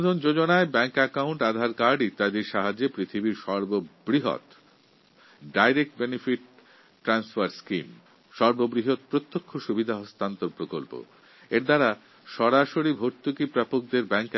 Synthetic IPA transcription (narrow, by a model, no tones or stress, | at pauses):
d̪ʱond͡ʑod͡ʑonaebɛŋkɛkawɳʈad̪ʱaɾkaɖit̪ad̪eɾʃaɦad͡ʑepɾit̪ʰibiɾʃɔɾbobɾiɦo̰t̪ | ɖajɾek̚ʈ̚benifiʈ̚ | ʈːɾansfaɾskim | ʃɔɾbobɾiɦot̪̚pɾot̪ːokʰːoʃubid̪ʱaɦost̪ant̪oɾpɾokolpo̰ | eɾd̪aɾa | ʃɔɾaʃoɾibʱoɾt̪ukipɾapok̚d̪eɾbɛŋk